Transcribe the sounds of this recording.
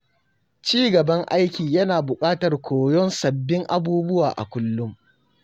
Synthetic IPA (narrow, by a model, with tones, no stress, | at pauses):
t͡ʃiː˦ɡɐ˨bɐ˦ŋʔa˦jkʲiː˨jɐ˦naː˨bʊ˨kʼaː˦tɐ˨rkʷoː˨jɔ˦nsɐ˨bːɪ˦ŋʔa˨buː˦bʊ˦waː˨ʔa̰˨kʷʊ˦lːʊ˦m